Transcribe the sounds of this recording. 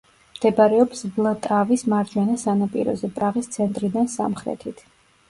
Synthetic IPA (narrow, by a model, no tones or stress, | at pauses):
md̪̥ɛbaɾɛɔpsvlˠat̪ʼavismaɾd͡ʒwanasanapʼḭɾɔ̰zɛpʼɾaʁist̪sʰɛnt̪ʼɾid̪ansa̰mχɾɛ̰t̪ʰit̪ʰ